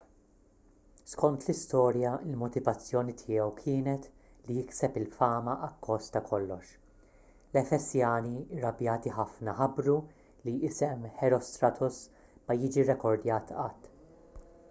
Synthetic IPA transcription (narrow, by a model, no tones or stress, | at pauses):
skɔnt̪lɪst̪ɔːɾjɐɪlmɔt̪ɪvɐt͡sːjɔːnit̪ʰɪːjɛwkʰɪːnɛt̪ | lijɪksɛpɪlfɐːmɐʔɐkːɔst̪ɐkʰɔlːɔʃ | lɛfɛsjɐːniɪɾːɐbjɐːt̪iħɐfnɐħɐbɾu | liɪsɛmħɛɾɔst̪ɾɐt̪ʰʊs | mɐjɪːd͡ʒiɾɛkɔɾd̪jɐːt̪ʰɐːt̪ː